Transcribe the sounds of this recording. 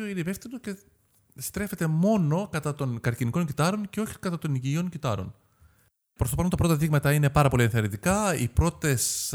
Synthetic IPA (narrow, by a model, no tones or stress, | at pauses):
oinevefst̪id̪oce̞ | st̪ɾe̞fe̞t̪e̞mo̞no̞kɐt̪ɐt̪o̞nkɐɾciniko̞ɲɟit̪ɐɾo̞nce̞o̞çi̥kɐt̪ɐt̪o̞niɟio̞ŋɟit̪ɐɾo̞̰n | pɾost̪oɐnt̪ɐpɾo̞t̪ɐðiɣmɐt̪ɐine̞pɐɾɐpo̞lienθeɐɾit̪ikɐḭpɾo̞t̪e̞s